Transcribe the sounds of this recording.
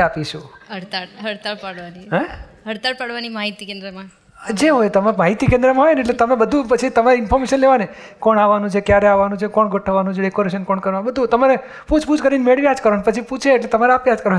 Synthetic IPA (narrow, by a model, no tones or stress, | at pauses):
apiʃũəɾt̪aɦəɾt̪apaɽʋaniɦɛ | əɾt̪aɾpaɽʋanimaɦit̪ikẽnd̪ɾəmã | d͡ʒeɦojt̪əmemaɦit̪ikẽnd̪ɾəmãɦojneʈlet̪əmẽbəd̪ʱũpət͡ʃʰit̪əmaɾeɪnfʰɔɾmeʃənleʋane | kɔɳaʋanũt͡ʃʰekjaɾeaʋanũt͡ʃʰekɔɳɡʱəʈʰəʋanũt͡ʃʰeɖekoɾeʃənkɔɳkəɾʋanbəd̪ʱũt̪əmaɾe | put͡ʃʰpud͡ʒkəɾinmeɭʋiad͡ʒkəɾəɳpət͡ʃʰiput͡ʃʰeːʈlet̪əmaɾeapiad͡ʒkəɾə